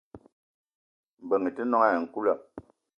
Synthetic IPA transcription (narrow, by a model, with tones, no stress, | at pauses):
m̩˨bə˨ŋi˨ti˦nɔ˦ŋa˦˨ŋ̩˨ku˦la˦˨